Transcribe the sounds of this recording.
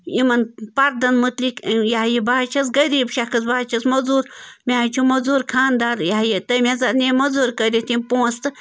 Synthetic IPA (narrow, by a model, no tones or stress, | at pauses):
imɐnpɐɾd̪ɐnmɨt̪likjaɦjibaːt͡ʃʰɐs̬ɡɐɾiːbʃɐkʰɨsbaːt͡ʃʰɐsmɐzuːɾmʲaːt͡ʃʰumɐzuːɾkʰaːnd̪aːɾjaɦjit̪ɐmʲazanʲemɐzuːɾkəɾʲit̪impõːst̪ɨ